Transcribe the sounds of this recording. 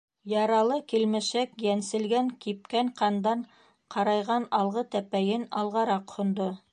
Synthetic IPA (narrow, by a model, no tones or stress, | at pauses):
jɑɾɑlˠɤkilmæʃækjænsɘ̆lɡæŋkip̚kæŋqɑnd̪ɑɴ | qʰɑɾɑjʁɑnɑlˠʁɤt̪æpæjɘnɑlˠʁɑɾɑqhŏnd̪o